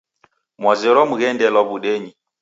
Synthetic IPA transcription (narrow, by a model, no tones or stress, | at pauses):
mwazɛɾɔmuɣɛndɛlɔβuɗɛɲi